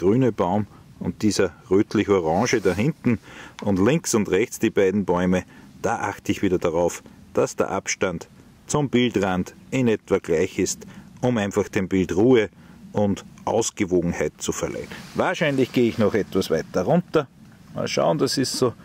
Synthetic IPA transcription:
ɡ̥ʁyːnəb̥aʊm | ʊnt̚d̥iːzɐʁøːtʰlɪçoʁɑ̃ŋʒədaɦɪ̃ntn̩ʊndlɪ̃ŋksʊntʁɛçt͡sd̥iːb̥aɪdn̩bɔʏməd̥aːʔa̰χtəɪçviːdɐdaʁaʊfd̥asd̥ḛɐʔapʃtant | t͡sʊmb̥ɪldʁandɪnɛtv̥ɐɡ̥laɪçɪstʊmæ̃ɪnfaχd̥embɪltʁuːəʔʊndʔɑ̰ʊsɡ̥əvoːɡŋ̩hæɪt̚t͡sufɛɐlʔa̰ɪnvaːɐʃæɪnlɪçɡ̥eːɪçnɔχɛtv̥asvaɪtːɐʁʊ̃ntɐ | ma̰lʃa̰ʊnd̥asɪstsoː

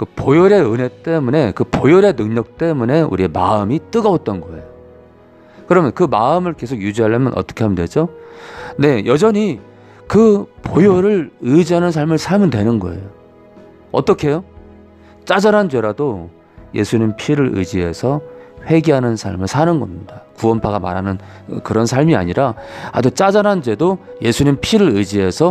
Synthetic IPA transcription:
kɯpojoɾe̞ɯne̞t͈e̞mune̞kɯpojoɾe̞nɯŋɲʌk̚t͈e̞mune̞ṵɾiema̰ɯmit͈ɯɡʌot̚t͈ʌnɡʌe̞̰jo | kɯɾʌmjʌnkɯmaɯmɯɭke̞sʰoɡjud͡ʑiɦaɭːemjʌ̰nʔʌ̰t͈ʌkʰe̞ɦamndwed͡ʑo | ne̞jʌd͡ʑʌɲi | kɯpojoɾɯɭɯd͡ʑiɦanɯnsʰaɭmɯɭsʰaɭmɯndwe̞nɯnɡʌe̞̰jo | ʌ̰t͈ʌkʰe̞jo | t͡ɕ͈ad͡ʑanɦand͡ʑwe̞ɾado | je̞̰sʰuɲimpʰiɾɯɾɯ̰d͡ʑiɦe̞̰sʰʌɸwe̞ɡeɦanɯnsʰaɭmɯɭsʰanɯnɡʌmɲidakuʌnpʰaɡama̰ɾɦanɯn | kɯɾʌnsʰaɭmia̰ɲiɾaa̰dut͡ɕ͈ad͡ʑanɦand͡ʑwe̞doje̞sʰuɲimpʰiɾɯɾɯd͡ʑiɦe̞sʰʌ

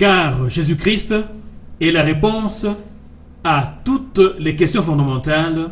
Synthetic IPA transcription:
kaʁʒezykʁist̪ | ɛlaʁepɔ̃s | at̪ut̪lekɛst̪jɔ̃fɔ̃d̪amɑ̃t̪al

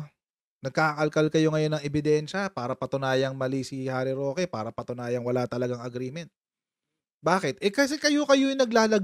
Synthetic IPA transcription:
nɐɡ̚kaʔɐkɐlkɐlkɐjo̞ŋɐjo̞nɐŋɛbɪd̪ɛnʃɐpaːɾɐpɐt̪ʊnaːjɐŋmɐlisihaːɾɪɾo̞ːkɛpaːɾɐpɐt̪ʊnaːjɐŋwɐlat̪ɐlɐɡaŋɐɡɾiːmɛnt̪̚ | baːkɛt̪ʔɛkɐs̬ɛkɐjo̞kɐjoɪnɐɡlaːlɐ

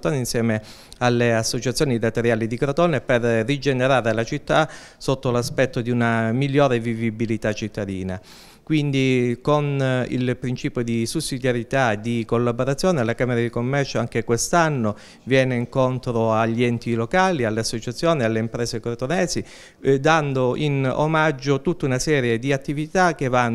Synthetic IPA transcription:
t̪oːneinsjɛːme | alːeasːot͡ʃat̪sːjoːnid̪at̪eɾjaːlid̪ikɾot̪oːneperːid͡ʒeneɾaːɾelat͡ʃit̪ːa | sot̪ːolaspɛt̪ːod̪iunamiʎːɔːɾevivibilit̪at͡ʃːit̪ʰːad̪ḭːna | kwind̪ikonḭlpɾint͡ʃiːpjod̪isusːid̪jaɾjit̪ad̪ikolːaboɾat̪sːjɔːnealːakaːmeɾad̪ikomːɛrt͡ʃoaŋk̟ekwest̪anːo | vjɛːneiŋkont̪ɾoaʎːiɛnt̪ilokaːlialːeasːot͡ʃat̪sːjoːnealːeimpɾɛːsekoɾt̪onɛːsi | d̪and̪oʔino̰mad͡ʒːot̪ut̪ːaunasɛːɾjed̪iat̪ːivit̪ak̟ːevan

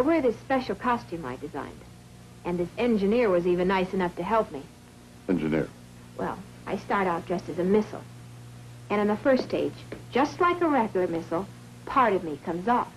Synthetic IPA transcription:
wə˞ðɪspɛʃl̩ˠkʰɑstʉ̃ma̰ɪdɨzã̰ɪ̃nd̥ | ɨ̃nðɪsɛ̃nd͡ʒɨnɪɹwʌzivɨ̃nːaɪsɨnʌftʰɨɦɛlˠp̚mi | ɛ̃nd͡ʒɨ̰nɪ̰ɹ | wʔɛ̰lˠ | ʔa̰ɪstɑɹɾɔfd̥ʒ̥ʌstɨzɨmɪsl̩ˠ | ɨ̃ɾ̃ɨ̃nðəfɜ˞stʰeɪd͡ʒd͡ʒʌstˡlaɪkəɹɛɡjl̩ˠə˞mɪsl̩ˠ | pʰɑɹɾʌvmikʰʌ̃mzɔf

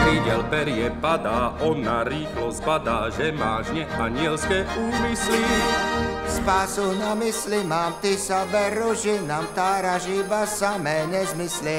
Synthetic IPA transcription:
ʋiɟɛlpɛɾɪjɛpad̪aːʔɔnːaɾiːxlɔspad̪aːʒɛmaːʒɲɛʔaɲɪɛlskɛːʔuːmisli | spaːsunamislimaːmt̪isaʋɛɾuʒinamt̪aːɾaʒibasamɛːɲɛzmislɛ

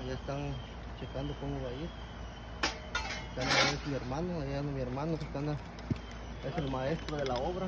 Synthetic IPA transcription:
jaest̪aŋ | t͡ʃekand̪okomuβajit | et̪anaaesmieɾmanoajiðand̪omieɾmanosst̪ana | eselmaest̪ɾoðelaoβɾa

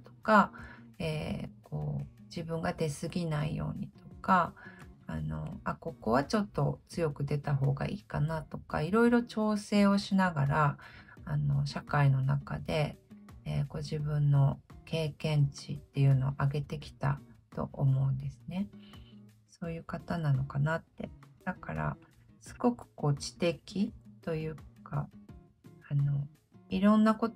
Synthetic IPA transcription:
t̪o̞̥kaḛːkʰo̞ːd͡ʑibɯ̟̃ŋɡad̪e̞sɨɡʲinaḭjo̞̰ːɲ̟it̪o̞kaː | no̞̰ako̞ko̞βat͡ɕo̞t̪ːo̞t͡sɨjo̞kɯ̟d̪e̞t̪aɦo̞ːɡa̰ʔiːkanat̪o̞ka̰iɾo̞iɾo̞t͡ɕo̞ːse̞ːo̞ɕinaɡaɾaː | no̞ɕakaino̞naka̰d̪e̞ | ɡo̞ʑibɯ̟̃nːo̞kʰe̞ːkẽ̞ɲt͡ɕit̪ːe̞jɯ̟ːno̞ːʔaɡe̞t̪e̞kʲi̥t̪a̰t̪o̞̰ʔomo̞ɯ̟̃nd̪e̞sɨne̞ | so̞ːjɯ̟ːkat̪anano̞kanat̪ːe̞̰d̪̥aka̰ɾa̰ | sɨ̥ɡo̞kɯ̟̥ko̞ːt͡ɕi̥t̪e̞kʲit̪o̞jɯ̟ːka̰ | ano̞ | iɾõ̞nːako̞t̪

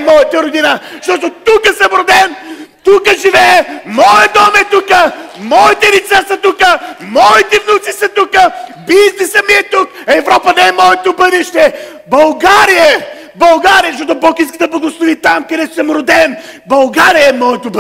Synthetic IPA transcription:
mɔjət̪eoɾd̪inaʃt̪ɔt̪ʊt̪ukəsɛmɾʊd̪ɛmt̪ukəʒivɛmɔjd̪ɔmɛt̪ukəmɔjt̪ɛɾisɛsɐt̪ukəmɔjt̪ivnut̪sisɛt̪ukə | biznɛsɐmiɛt̪ukɐɛvɾɔpɐnɛɛmɔjt̪ʊbɐd̪iʃt̪ɛ | bɐlˠɡaɾiəɛ | bɐlˠɡaɾiɐʃt̪ɔt̪ʊbɐlˠkĩskit̪əblˠɐɡoslˠuviːt̪amkɐd̪ɛsʊ̥sɛmɾʊd̪ɛmbɐlˠɡaɾiɐɛmɔjt̪ʊb

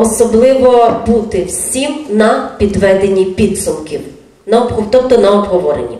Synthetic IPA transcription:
ɔsɔblˠɪʋɔbut̪ɪwsʲimnɐpʲid̪ʋɛd̪enʲːipʲid̪sʊmkʲiw | nɐɔbɦɔt̪ɔp̚t̪ɔnɐɔbɦɔʋɔɾḛnʲi

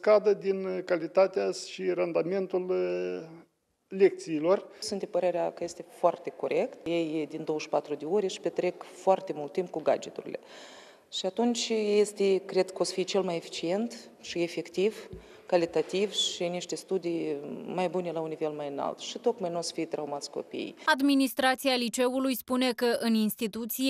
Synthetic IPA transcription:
skad̪əd̪inkalit̪at̪eaʃirand̪ame̞nt̪ul | lek̚t̪siːlo̞rsunt̪d̪epəɾe̞ɾeakəje̞st̪e̞foart̪e̞ko̞ɾʔe̞kt̪jejd̪ind̪o̞wəʃpat̪ɾud̪eoɾʲeʃi̥pet̪ɾe̞kfoart̪e̞mult̪ːimp̚kuɡa̰d͡ʒet̪uɾḭle̞̰ | ʃiat̪unt͡ʃʲe̞st̪ekɾe̞d̪kəosfit͡ʃe̞lmajefi̥t͡ʃie̞nt̪ | ʃie̞fe̞kt̪iv | kalit̪at̪ivʃiniʃt̪e̞st̪ud̪ijmajbune̞launive̞lmajɨna̰lt̪ʃit̪o̞kmajnuosfijt̪ɾaumat̪sʲko̞̰pḭjad̪minist̪ɾat̪sialit͡ʃe̞ulujspune̞kəʔɨninst̪it̪ut̪si

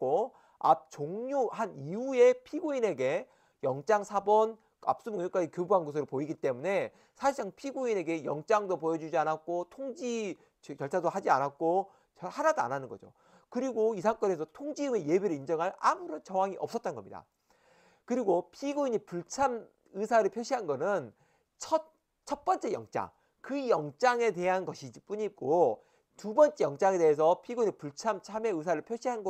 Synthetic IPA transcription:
k͈o | a̰p̚t͡ɕoŋɲohaniue̞pʰiɡoine̞ɡe̞ | jʌŋt͡ɕ͈aŋsʰabʌn | a̰p̚s͈ɯmɯŋɲok͈ad͡ʑikjobuanɡos̬ʰɯɾoɭpoiɡit͈e̞mune̞ | sʰaɕʰisʰaŋpʰiɡoine̞ɡe̞jʌŋt͡ɕ͈aŋdopojʌd͡ʑud͡ʑianak̚k͈otʰoŋd͡ʑi | jʌɭt͡ɕʰadohad͡ʑia̰nak̚k͈o | ʌhanadoa̰nanɯnɡʌd͡ʑo̰ | kɯɾiɡoisʰaŋk͈ʌne̞sʰʌtʰoŋd͡ʑiɯmejebeɾɯɭind͡ʑʌŋɦaɾa̰muɾont͡ɕʌwaŋiʔʌp̚s͈ʌt̚t͈anɡʌmɲida̰ | kɯɾiɡopʰiɡuiɲipuɭt͡ɕʰam | ɯsʰaɾɯɭpʰjoɕʰiɦanɡʌnɯn | t͡ɕʰʌt̚ | t͡ɕʰʌt̚p͈ʌnt͡ɕ͈e̞jʌ̰ŋt͡ɕ͈a̰ŋ | kɯjʌŋt͡ɕ͈aŋe̞te̞ɦanɡʌɕʰid͡ʑip͈uɲik͈o | tubʌnt͡ɕ͈e̞jʌŋt͡ɕ͈aŋe̞deɦes̬ʰʌpʰiɡuiɲipuɭt͡ɕʰamt͡ɕʰame̞ɯs̬ʰaɾɯɭpʰjoɕʰiɦanɡʌ

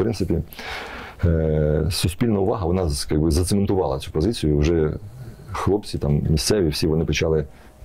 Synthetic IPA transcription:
pɾɪnt̪sɪpʲi | sʊsʲpʲilʲnɐʊʋɑɦɐʋɔnɑjaɡbɪzɐt̪sement̪ʊʋɑ̰lˠɐt͡sʲu̥pɔzɪt͡sʲijʊiwʒɛ | xlˠɔp̚t͡sʲit̪ɑmmʲist̪sɛʋʲiwsʲiʋɔnɪpɪt͡ʃɑlˠɪ

